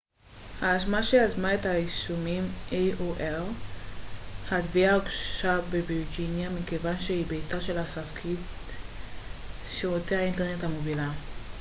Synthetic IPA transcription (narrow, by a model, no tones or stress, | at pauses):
haːʃ̬maʃeazmaet̪haiʃumimʔeoʔel | hadviaɡʃabebiʁd͡ʒinjamikevanʃehibejtaʃe̞lhasavkʰit | ʃeoteainteʁnethamovila